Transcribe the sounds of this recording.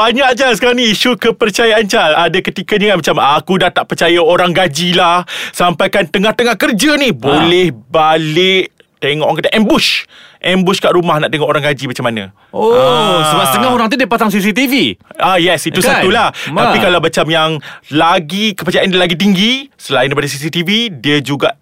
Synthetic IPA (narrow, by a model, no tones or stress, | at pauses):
baɲak̚t͡ʃasə̥kaɾaŋniiʃukəpərt͡ʃajaʔant͡ʃaladakət̪ikad͡ʒəŋanmat͡ʃamakudaht̪aʔpərt͡ʃajaoɾaŋɡad͡ʒilahsampajkant̪əŋaht̪əŋahkərd͡ʒanibolɛhbalɪʔ | t̪eŋɔ̰ʔŋkət̪aʔɛmbʊʃʔɛmbʊskaʔɾumahnaʔt̪eŋɔʔoɾaŋɡad͡ʒimat͡ʃamːanə̰̃ | osəbast̪əŋahoɾaŋt̪̬udiəpasaŋs̬is̬it̪iviajɛsiusaulah̪apikalawmat͡ʃamjaŋlaɡikəpərt͡ʃaʔanlaɡit̪̬iŋɡisəlaindejpadas̬isit̪ividiəd͡ʒuɡaʔ